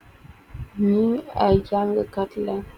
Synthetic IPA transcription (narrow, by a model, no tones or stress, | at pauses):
miajaŋɡəkatla